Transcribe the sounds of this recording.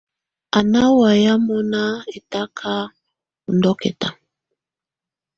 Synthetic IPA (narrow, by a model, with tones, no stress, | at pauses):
a˨na˦wa˨ja˦mɔ˦na˦e˨ta˦kʰa˦ | u˨ndɔ˦kɛ̰˨ta˨